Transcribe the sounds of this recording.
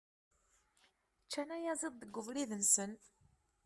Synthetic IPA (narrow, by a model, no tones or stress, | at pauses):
t͡ʃːænæjæzˤeðˤːəɡːʊvɾiðənsən